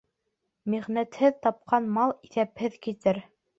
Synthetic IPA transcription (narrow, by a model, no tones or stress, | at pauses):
miʁnæt̪hɘðt̪ɑp̚qʰɑnmɑlˠiθæphɘðkit̪ɘɾ